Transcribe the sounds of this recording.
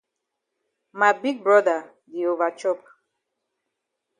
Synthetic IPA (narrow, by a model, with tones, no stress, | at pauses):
ma˨bi˦ɡ̚bɹɔ˦da˨ | di˨o˨va˨t͡ʃɔ˦p̚